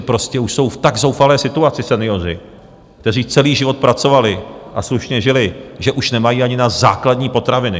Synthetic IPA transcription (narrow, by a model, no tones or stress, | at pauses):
pɾo̞scɛuʃso̞wft̪aɡzowfalɛːsɪt̪uat͡sɪsɛnɪo̞r̝ɪ | kt̪ɛr̝iːt͡sɛliːʒɪvo̞t̪̚pɾat͡so̞valɪʔasluʃɲɛʒɪlɪʒɛʔuʃnɛmajiːʔaɲɪnazaːkladɲiːpo̞t̪ɾavɪnɪ